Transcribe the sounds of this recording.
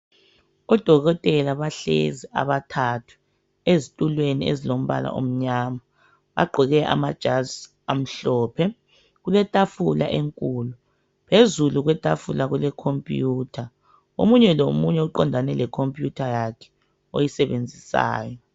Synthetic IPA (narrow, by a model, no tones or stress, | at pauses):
ɔd̥ʱɔɣɔtʼɛlaβaɬḛzia̰βatʰatʰu̥ | ezitʼulweniḛzilom̩βa̰la̰ʔo̰m̩ɲama | βa̰ɡ͡ǃʱiɣɛʔa̰mad̥ʒ̥ʱaz | am̩ɬɔːpʰɛ | ɣulɛtʼafula̰ʔeŋkʼuːlu | pʰezuluɣwɛtʼafulaɣulɛkʰompʼjuːtʰa | o̰muɲɛlomuɲɛuǃɔndʱanɛlɛkʰompʼjutʰajakʰɛ̥ | ojisɛβend͡zʱisa̰ːjɔ